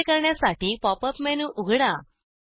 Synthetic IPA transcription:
kəɾɳjasaʈiːpɔpəpmɛnuʔuɡʱɽa

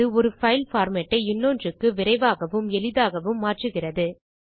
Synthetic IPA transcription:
ɯɔɾɯfɐɪlfaːɾmɐʈːɐɪɪnːoːndrɯkːɯʋɪɾɐɪʋaːɣɐʋɯmɛlɪðaːɣɐʋɯmːaːʈrɯɣɪrɐðɯ

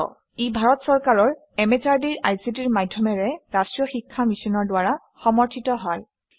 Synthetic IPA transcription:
ɔ̰ | ibʱaɹɔtsɔɹkaɹɔɹ | ɛmɛt͡ʃaɹdiɹajsitiɹmadʱjɔmɛɹɛɹastɹjɔxikʰːamisɔnɔɹdwaɹa | xɔmɔɹtʰitɔɦɔj

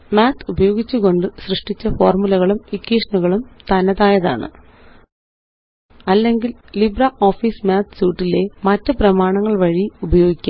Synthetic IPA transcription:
maːt̪ʰubɐjo̞ːɡit͡ɕːuɣo̞ɳɖɨɕrɨʂʈit͡ɕːɐfo̞ːrmulɐɣɐɭumikːiːʂɐɳuɣɐɭumt̪ɐnɐðaːjɐða̰ːɳɨ̰ | ɐlːe̞ŋɡillibrɐʔo̞ːfiːsmaːt̪ʰsuːʈːile̞mɐtːɨprɐmaːɳɐŋːɐɭʋɐɻiubɐjo̞ːɡikʲːa

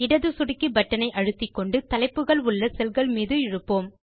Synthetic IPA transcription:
ɪɽɐðɯsʊɽɪkːɯbɐʈːɐnɐɪʔɐɻɯt̪ːɪkːɔɳɖɯt̪ɐlɐɪpːɯɣɐɭʊɭːɐsɛlɣɐɭmiːðɯɪɻɯpːoːm

